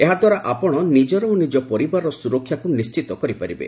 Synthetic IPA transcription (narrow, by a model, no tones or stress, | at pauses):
eɦad̪waɾaʔapɔɽ̃ɔnid͡ʒɔɾɔnid͡ʒɔpɔɾibaɾɔsuɾɔkʰːjakunist͡ʃit̪ɔkɔɾipaɾibḛ